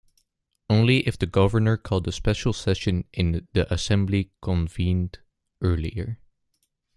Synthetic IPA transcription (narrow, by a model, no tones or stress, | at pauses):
õʊ̃nliʔɨfðɨɡʌvə˞nə˞kʰɔlˠdəspɛʃl̩ˠsɛʃɨ̃nʔɪ̃nðiʔɨsɛ̃mblikʰə̃ɱvĩnd | ʔɜ˞liə˞